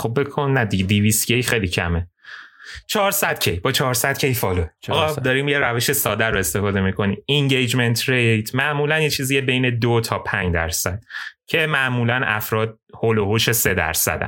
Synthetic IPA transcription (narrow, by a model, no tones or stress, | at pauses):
xob̚bekʰonːæd̪iɡed̪iviscejxejlicʰæ̰me | t͡ʃʰɒːɾsæd̪̥cʰejbɒːt͡ʃʰɒːɾsæd̪̚cʰejfɒːloːɣɒd̪ɒɾiːmjeɾæveʃesɒːd̪æɾoe̞st̪e̞fɒːd̪e̞mikʰo̞niːmeŋɟejd͡ʒment̪ʰɾejt̪ʰmæʔmuːlænjet͡ʃʰiːzijebe̞jned̪ot̪ʰɒːpʰæɲd͡ʒd̪æ̰ɾsæd̪̥cʰe̞mæʔmuːlænæ̰fɾɒːd̪̥̚holohoʃese̞d̪æ̰ɾsæ̰d̪æ̰n